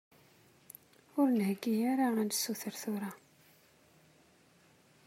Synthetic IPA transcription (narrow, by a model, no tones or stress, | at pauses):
ʊɾnhəɡːijaɾaænd̪suθəɾθʊɾa